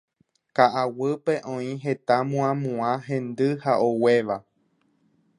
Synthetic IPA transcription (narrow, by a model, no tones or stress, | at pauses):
kaʔawɨpe̞ʔõĩɦe̞t̪amũãmũãɦẽ̞nd̪ɨhaʔowe̞ʋa